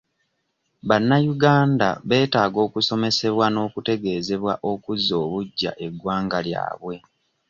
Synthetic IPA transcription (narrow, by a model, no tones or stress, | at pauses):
βanːajuɡaːnda̰βe̞ːtaːɡo̞ːkuso̞me̞se̞βwano̞ːkute̞ɡe̞ːze̞βwaʔo̞kuzo̞ːβuɟːa̰ʔe̞ɡwaːŋɡalja̰ːβwe̞